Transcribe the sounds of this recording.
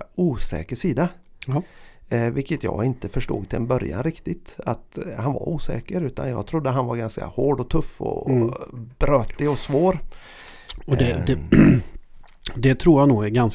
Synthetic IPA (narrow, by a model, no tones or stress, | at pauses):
uːsɛ̰ːkəʂiːd̪a | vɪlkːət̪jɑ̰ːɡɪnt̪əfœʂʈṵːɡt̪ʰɪlɛnbœɾja̰nɾɪkt̪ɪt̪at̪hanva̰ɾuːsɛ̰ːkəɾʉ̟ːt̪ʰa̰njɑːɡt̪ʰɾʊd̪ːəɦanvaɾɡanska̰hoːɖɔt̪ʰɵfːɔ̰ | b̥ɾøːt̪ɪɔsvoːɾ | ɔɛd̪ɛ | d̪ɛt̪ʰɾuːɾhanːuːɡæɾɡans